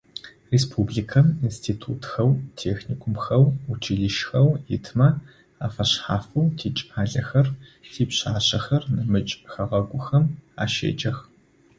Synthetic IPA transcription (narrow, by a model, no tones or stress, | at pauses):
reːspʰublikʰɐminstʰiːtʰṵːtxɐwtʰeːxniːkʷʰʊmxɐwut͡ʃʰiɮɨʃxɐwjɪ̰tʰmɐ | aːfɐɕħaːfɐwtʰiːt͡ʃʼaːɮɐxɐrtʰiːpɕaːɕɐxɐrnɨmɨt͡ʃʼxɐʁɐɡʷʊxɐma̰ːʃḛːd͡ʒɐx